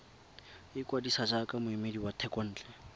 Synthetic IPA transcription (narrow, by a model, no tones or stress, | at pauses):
ɪkʼwadisad͡ʒakʼamʊimediwatʰɛkʼɔn̩ːt͡ɬʼɛ